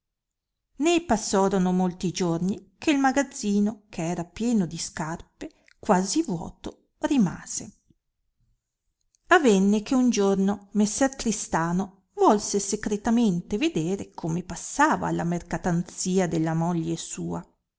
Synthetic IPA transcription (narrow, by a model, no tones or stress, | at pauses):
nepasːɔːɾonomolt̪id͡ʒornikeilmaɡad̪zːiːnokʰeɛːɾapjɛːnod̪iskarpe | kwaːzivwɔ̰ːt̪o | rima̰ːz̥e | avɛnːekeund͡ʒornomesːɛrkɾist̪aːno | vɔlsesekɾet̪ament̪eved̪eːɾekʰomepasːaːva̰la̰merkat̪ant̪siːad̪elːamoʎːesuːa